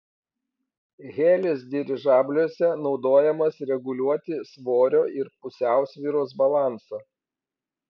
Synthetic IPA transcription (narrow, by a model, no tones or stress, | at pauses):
ɣʲeːlʲɪsd̪ʲɪɾʲɪʒɑːbʲlʲuɔsʲɛnɒʊd̪oːjɛmɐsɾʲɛɡʊlʲuɔt̪ʲɪsʋoːɾʲoːɪɾpʊsʲæˑʊsʲʋʲiːɾoːsbɐlˠɑˑnsɐː